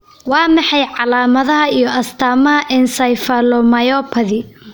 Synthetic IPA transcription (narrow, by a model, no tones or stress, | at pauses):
wɑːmɑħɑjʕɑlaːmɐðɐɦɐijɞʔɐst̪ʰaːmɐɦɐʔɪnsɐjfɐlɔmɐjɔpʰɐðɪ